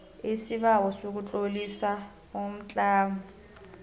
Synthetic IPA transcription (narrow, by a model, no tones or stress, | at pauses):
esiβawɔsok̬ut͡ɬʼolisa | om̩t͡ɬʼaːmɔ